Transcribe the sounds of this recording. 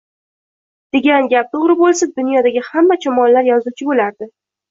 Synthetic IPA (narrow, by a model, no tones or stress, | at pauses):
d̪̥e̞ɡʲanɡʲap̚t̪ʰoʁɾɪbolˠsad̪ʊnjɒd̪aɡʲɪhamːat͡ʃʰamɒlˠːaɾjɒzʊwt͡ʃʰɪbolaɾd̪ɪ